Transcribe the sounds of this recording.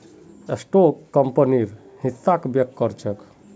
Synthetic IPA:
esʈokːəmpəniɾ | hisːakbjək̚t̪kːəɾt͡ʃʰək

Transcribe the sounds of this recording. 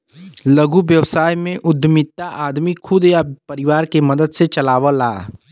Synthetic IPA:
ləɡuʋjəwsaːjmẽʔʊd̪ʱmɪt̪ːaʔaːd̪mikʰʊd̪japɐɾɪʋaːɾkemɐd̪əd̪set͡ʃɐlaːʋəla̰ː

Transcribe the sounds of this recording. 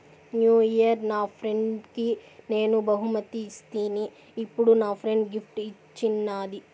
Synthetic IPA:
njuːijɐɾnaːpʰɾeɳɖkine̞ːnubɐɦumɐt̪iːst̪iːniː | pːuɽunaːpʰɾeɳɖɡipʰʈit͡ʃːinːaːd̪i

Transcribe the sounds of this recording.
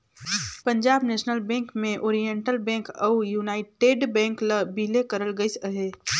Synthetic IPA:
pə̃ɲd͡ʒaːbneːʃnəlbɛ̃ːŋkmẽʔoːɾijẽɳʈəlbɛ̃ːŋkɐʊjuːnaːɪʈeːɖbɛ̃ːŋkləbiːlekəɾəlɡəisəɦeː

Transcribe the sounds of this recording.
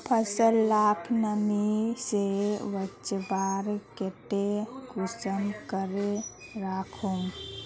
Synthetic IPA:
pʰəsəlːapʰnəmiseʋət͡ʃbaɾkeʈekusəmkəɾeɾakʰum

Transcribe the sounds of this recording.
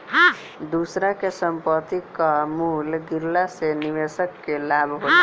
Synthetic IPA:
ɦ | d̪usɾakesəmpət̪ikamulɡiɾlaseniʋesəkːelabʱɦo

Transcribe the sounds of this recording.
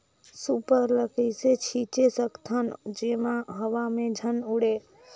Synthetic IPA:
supəɾləkəɪset͡ʃʰit͡ʃesəkt̪ʰənd͡ʒemaɦəʋamed͡ʒʱənuɽe

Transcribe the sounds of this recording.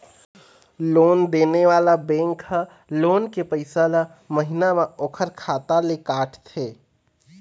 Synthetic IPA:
loːnd̪eːneʋaːlabɛ̃ːŋkhə | loːnkepəɪsala | məɦɪnamãoːkʰəɾkʰaːt̪alekaːʈʰt̪ʰeː

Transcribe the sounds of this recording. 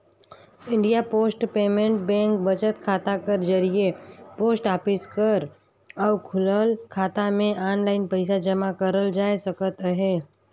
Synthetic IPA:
ɪ̃ɳɖijapoːsʈpeːmẽɳʈbɛ̃ːŋk̚bɐt͡ʃət̪kʰaːt̪akɐɾd͡ʒɐɾiepoːsʈaːpɪskəɾ | ɔːkʰʊləlkʰaːt̪amẽʔaːnlaːɪnpəɪsad͡ʒɐmakəɾəld͡ʒaːesɐkət̪ɦeː

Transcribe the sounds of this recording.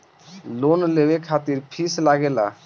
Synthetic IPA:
lonlebekʰat̪iɾpʰislaɡela

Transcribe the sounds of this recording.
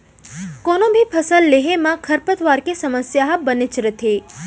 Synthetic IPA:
konõbʱipʰəsəlːeɦemãkʰəɾpət̪ʋaɾkesəməsjaɦbənet͡ʃɾət̪ʰe

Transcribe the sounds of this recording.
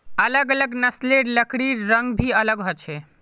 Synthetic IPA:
ələɡələɡnəsleɾləkɽiɾəŋɡbʱiələɡɦot͡ʃʰɛ

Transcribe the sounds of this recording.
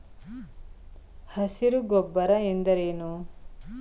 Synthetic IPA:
hɐsiɾuɡɔbːɐɾɐend̪ɐɾeːnu

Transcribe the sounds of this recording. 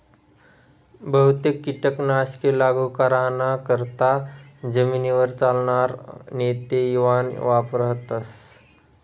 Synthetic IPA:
bəɦut̪ekːiʈəknaskelaɡukəɾanakəɾt̪ad͡zəminiʋəɾt͡salɳaɾnet̪ejuʋanʋapɾəɦt̪as

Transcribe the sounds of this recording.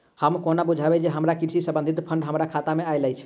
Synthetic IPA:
həmkonabud͡ʒʱabɛd͡ʒeɦəmɾakiɾsisə̃bə̃nd̪ʱit̪pʰəɳɖɦəmɾakʰat̪ameajləjt͡ʃʰ

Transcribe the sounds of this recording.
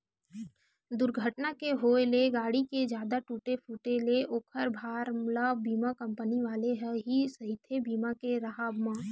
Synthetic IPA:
d̪ʊɾɡʱəʈnakeɦoeleɡaːɽiked͡ʒjaːd̪aʈuːʈepuːʈeleʔoːkʰəɾbʱaːɾmlabiːmakə̃mpəniʋaːleɦɛɦisɐɦɪt̪ʰebiːmakeɾəɦaːbmãː

